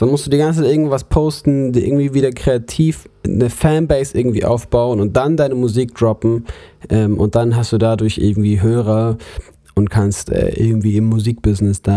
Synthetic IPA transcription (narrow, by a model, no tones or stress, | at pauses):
d̥anmʊstd̥uːdiːɡant͡st͡sʰaɪtʔɪɡŋ̩vvaspʰoʊstn̩diːʔɪ̰ɡŋ̩tv̥iːviːdɐkʁ̥eatʰiːfnəfɛnbɛɪsʔɪɐɡŋ̩tv̥ḭːʔa̰ʊfb̥aʊənʊnt̚d̥andaɪnəmuziːk̚d̥ʁɔpm̩ʔɛːmʔʊ̰nt̚d̥anɦastd̥uːdadʊɐçʔɪ̰ɐɡŋ̩tv̥iːɦøːʁɐ | ʔʊntkʰanstʔɛ̰ːʔɪ̰ɐɡŋ̩tv̥iːɪmːuziːk̚b̥ɪznɪsd̥aː